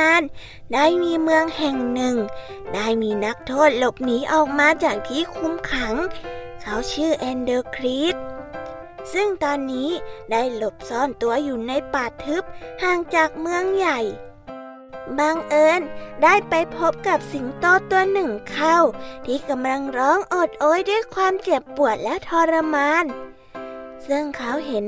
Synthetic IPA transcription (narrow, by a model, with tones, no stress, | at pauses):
a˧˥˨n | daː˥˩jmiː˧mɯ˧əŋhɛ˨˩ŋnɯ˨˩ŋ | daː˥˩jmiː˧na˦˥k̚t̪ʰoː˥˩t̪̚lo˧˩p̚niː˦˥ʔɔː˨˩k̚maː˧t͡ɕaː˨˩k̚t̪ʰiː˧˥˨kʰu˧˥˨mkʰa˩˦ŋ | kʰa˦˥wt͡ɕʰɯː˥˩ʔɛː˧ndɤː˧kʰɾiː˦˥t̪̚ | sɯ˥˩ŋt̪ɔː˧nːiː˦˥daː˥˩jlo˧˩p̚sɔː˧˩nt̪u˧ɐjuː˨˩na˧˥˨jpaː˨˩t̪ʰːɯ˦˥p̚haː˧˩ŋt͡ɕaː˨˩k̚mɯ˧əŋja˨˩j | baː˧ŋʔɤː˧˥ndaː˥˩jpa˧jpʰo˦˥p̚ka˨˧˩p̚si˨˦ŋt̪ɔː˧t̪u˧ɐənɯ˨˩ŋkʰa˥˩˨wt̪ʰiː˧˩ka˧mla˧ŋɾɔː˦˥˨ŋʔoː˨˩t̪̚ʔoː˧˥˨jdu˥˩əjkʰwaː˧˥mt͡ɕe˨˩əpːu˨˩ət̪̚lɛ˦˥t̪ʰɔː˧ɾa˧maː˧˥n | sɯ˥˩ŋkʰa˦˥wɦe˨˦n